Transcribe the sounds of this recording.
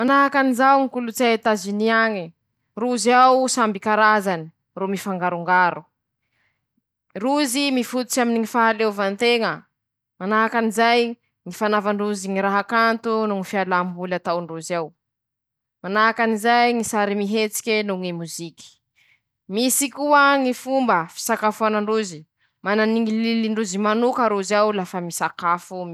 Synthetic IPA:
manaɦakanizawŋikulut͡sat̪aziniaŋi | ruzawsambikaɾazani̥ | rumifaŋɡaɾuŋɡaɾu | ruzimifut̪u̥t͡ʃaminiŋifaɦalewvant̪eŋə | manaɦakanizaj | ŋifanavaɳruziŋiɾaɦakant̪unuŋifialambulat̪awɳɖ͡ʐuzaw | manaɦakanizajŋisaɾimiɦet͡si̥kʲenuŋimuzikʲi̥ | misikuəŋifumbəfi̥sakafuanaɳɖ͡ʐuzi | mananiŋililiɳɖ͡ʐuzimanukəɾuzawlafəmisakafum

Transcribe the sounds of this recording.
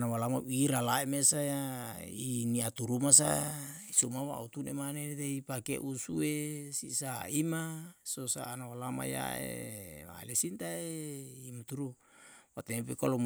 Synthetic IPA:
nawalamaiɾalaemesajainiat̪uɾumas̬aisomawa̰ut̪unemanet̪eipakḛʔusuesisaimasosa̰ːnawalama̰ja̰ḛa̰lesint̪aeimat̪uɾu | wat̪epekalom

